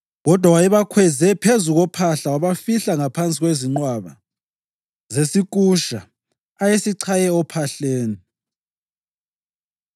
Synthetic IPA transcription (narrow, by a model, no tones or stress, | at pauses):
ɣɔd̥ʱwawajɛβakʰwɛzɛpʰezuɣɔpʰaɬawaβafiɬaŋapʰant͡sʼiɣweziŋ͡ǀwaβa̰ | zesik̬ʼuʃa | ajesiǀʰajɛɔpʰaɬeːni